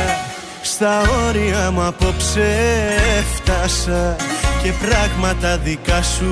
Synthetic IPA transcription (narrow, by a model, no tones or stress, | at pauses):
st̪ɐo̞ɾiɐmuɐpo̞pse | ft̪ɐsɐce̞pɾɐɣmɐt̪ɐðikɐsu